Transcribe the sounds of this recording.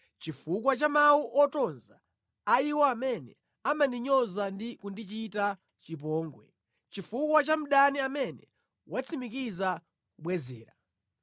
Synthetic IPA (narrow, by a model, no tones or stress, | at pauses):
t͡ʃifukwat͡ʃamawuʔɔtɔnzaː | iwaamɛnɛ̰ | amaniɲɔzandikundit͡ʃita | t͡ʃip̬ɔːŋɡwɛ̰ | t͡ʃifukwat͡ʃam̩ɗaniamɛnɛ̰ | wat͡sʰimik̬iza | kuɓwɛzɛːɾa